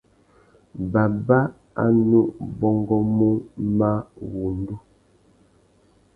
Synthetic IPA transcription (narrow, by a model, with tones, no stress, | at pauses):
ba˨ba˦ | a̰˦nu˦ʔbɔ˦ŋɡɔ˦mu˦ma˦wu˨n˦du˦